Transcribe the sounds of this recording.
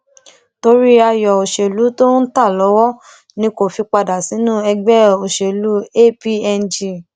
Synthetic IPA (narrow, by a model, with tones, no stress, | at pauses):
to˧ɾi˦a˧jɔ˨o˨ʃe˨lu˨˦to˦n̩˦ta˦˨lɔ˨˦wɔ˦ | nĩ˧˦ko˨fi˧k͡pa˧da˨si˨˦nũ˦ɛ˧ɡ͡bɛ˦o˨ʃe˨lu˨˦e˦pi˦ɛ˧n˨d͡ʒi˧˨